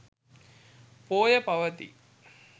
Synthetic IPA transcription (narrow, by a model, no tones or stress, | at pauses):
poːjɐpɐʋɐt̪ḭ